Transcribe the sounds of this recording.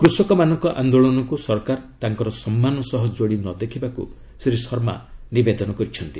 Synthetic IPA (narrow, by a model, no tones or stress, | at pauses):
kɾusɔkɔmanɔŋkɔʔand̪oɭɔnɔkusɔɾkaɾt̪aŋkɔɾɔsɔmːanɔsɔɦɔd͡ʒoɽinɔd̪ekʰibakṵ | seɾisɔɾma̰nibed̪ɔnɔkɔɾit͡ʃʰɔnt̪i